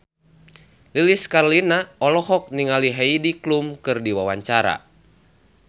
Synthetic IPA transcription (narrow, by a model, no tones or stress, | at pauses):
liliskarlinaɔlɔɦɔk̚niŋaliɦaidiklumkɨrdiwawaɲt͡ʃaɾa̰